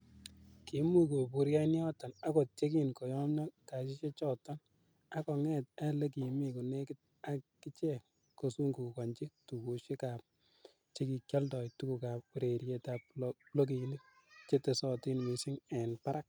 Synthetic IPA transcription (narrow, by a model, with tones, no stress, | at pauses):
ki˨˦mu˦ko˨pu˨ɾja˦njɔ˦tɔ˨na˦ko˨t̚t͡ʃe˦k̬i˦nkɔ˨jɔ˦mna˦ka˨ʃi˦ʃe˦t͡ʃɔ˦˨tɔ˦n | a˨˦kɔ˨ŋɛ˦ta˦le˦k̬i˨me˨ku˨ne˦kɪ˦t̚ | a˨kɪ˦t͡ʃe˦ | ko˨su˦ŋɡu˨kɔ˨ɲt͡ʃɪ˦tu˨ku˨ʃe˦ka˨p̚ | t͡ʃe˦ki˨kja˦ldɔ˨jtu˦ku˨ka˨p̚u˨ɾe˨ɾje˧ta˨p̚lo˦k̬i˨ni˦ | t͡ʃe˦te˨sɔ˨tɪ˦nmi˨sɪ˦ŋɛ˨npa˦ɾa˦k̚